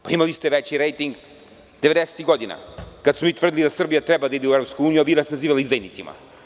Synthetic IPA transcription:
paimalist̪ɛʋet͡ɕiɾejt̪iŋɡ | d̪eʋed̪ese̥t̪iɡod̪ina̰kad̪smomit̪vr̩d̪ilid̪asr̩bijat̪ɾebad̪aid̪ɛuevɾopskuuːnijuaʋiɾasnaziːʋalaizd̪ajnit̪sima̰

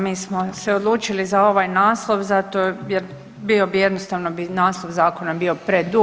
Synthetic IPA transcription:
miːsmo̞seod̪lˠuːt͡ʃilizao̞ʋajnaːslˠo̞ʋzat̪ojɛɾ | bio̞bije̞d̪nost̪aʋnobinaːslˠoʋzaːko̞nabio̞pɾed̪u

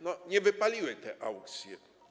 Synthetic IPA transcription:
nɔɲɛvɘpalʲiwɛt̪ɛʔawkt̪sʲjɛ

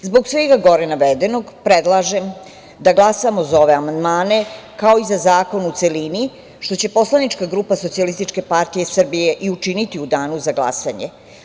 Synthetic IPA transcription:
zbo̞ɡsʋeɡaɡo̞ɾenaʋed̪eno̞ɡpɾed̪lˠaːʒem | d̪aɡlˠasamo̞zao̞ʋe̞amand̪maːne̞kao̞izazaːko̞nut̪se̞lini | ʃt̪o̞t͡ɕe̞po̞slˠanit͡ʃkaɡɾuːpaso̞t̪sialist̪it͡ʃke̞paɾt̪ije̞sr̩bije̞ʔiut͡ʂinit̪iud̪aːnuzaɡlˠa̰saɲe

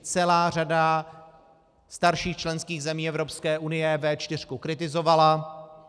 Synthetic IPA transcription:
t͡sɛlaːr̝ada | st̪aɾʃiːxt͡ʃlɛnskiːɣzɛmiːɛvɾo̞pskɛːʔunɪjɛvɛt͡ʃt̪ɪr̝̥kukɾɪt̪ɪzo̞vala

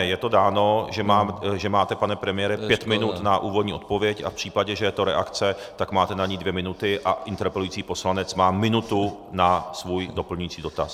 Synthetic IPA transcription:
jɛt̪o̞daːno̞ʒɛmaːmʒɛmaːt̪ɛpanɛpɾɛmɪjɛɾɛpjɛt̪mɪnut̪naʔuːvo̞dɲiːo̞t̪̚povjɛca̰fpr̝̥iːpaɟɛʒɛjɛt̪o̞ɾɛ̰ʔakt͡sɛ | t̪akmaːt̪ɛnaɲiːdvjɛmɪnut̪ɪʔaɪnt̪ɛɾpɛlujiːt͡siːpo̞slanɛt͡smaːmɪnut̪unasvuːjdo̞pl̩ɲujiːt͡siːdo̞t̪a̰s

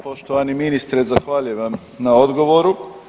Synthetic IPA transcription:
poʃt̪oʋaniminist̪ɾezaxʋaːʎujeʋam | naod̪ɡo̞ʋoɾu

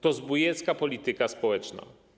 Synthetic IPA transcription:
t̪ɔzbujɛt̪skapɔlʲit̪ɘkaspɔwɛt͡ʂna̰

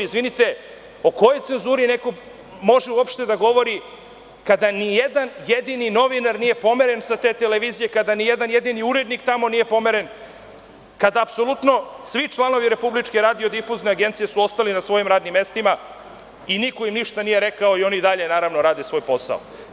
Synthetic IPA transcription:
izʋinit̪e̞ | o̞ko̞jo̞jtse̞nzuːɾine̞ko̞ | mo̞ʒeuopʃt̪e̞d̪aɡo̞ʋo̞ɾi | kad̪anijed̪anjed̪inino̞ʋinaɾnije̞po̞me̞ɾe̞nsat̪eːt̪eleʋiːzije̞kad̪anijed̪anje̞d̪iniuɾed̪nikt̪amo̞nije̞po̞me̞ɾen | kad̪aːpso̞lˠut̪no̞sʋit͡ʂlˠano̞ʋiɾe̞publit͡ʃkeɾaːd̪io̞d̪ifuzne̞aɡe̞nt̪sijesuo̞st̪alinasʋo̞jimɾaːd̪nimːe̞st̪ima | iniko̞imniʃt̪anijeɾe̞kaoio̞niid̪aʎe̞naːɾaʋno̞ɾaːd̪esʋo̞jpo̞sa̰o̰

